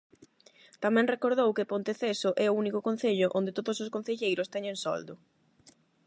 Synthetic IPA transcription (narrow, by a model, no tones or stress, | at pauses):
t̪amɛ̃ŋrekoɾð̞owkɪpõnt̪eθesʊʔɛʊunikʊkõn̟θeʎʊʔõ̰nd̪ɪt̪oðʊsoskon̟θeʎejɾʊst̪ɛɲẽŋsɔ̰ld̪ʊ